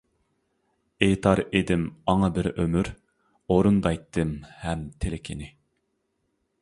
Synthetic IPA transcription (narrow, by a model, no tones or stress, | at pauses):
eːt̪ʰɑɾed̪ɪmɑŋɑbɪɾømyɾ | oɾund̪ɑjt̪ʰːɨmhɛmt̪ʰelɪkʲʰɪnɪ